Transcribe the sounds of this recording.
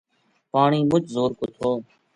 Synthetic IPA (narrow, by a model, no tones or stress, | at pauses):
paːɳiːmʊt͡ʃzoːɾkot̪ʰoː